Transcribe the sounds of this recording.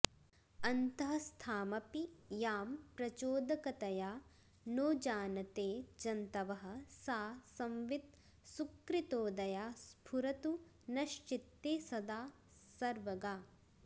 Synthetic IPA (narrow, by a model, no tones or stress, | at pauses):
ɐnt̪ɐɦɐst̪ʰaːmɐpijaːmpɾɐt͡ʃoːd̪ɐkɐt̪ɐjaː | noːd͡ʒaːnɐt̪eːd͡ʒɐnt̪ɐʋɐɦɐ̆saːsɐmʋid̪̚ | sukɾit̪oːd̪ɐjaːspʰuɾɐt̪u | nɐʃʈit̪ːeːsɐd̪aː | sɐɾʋɐɡaː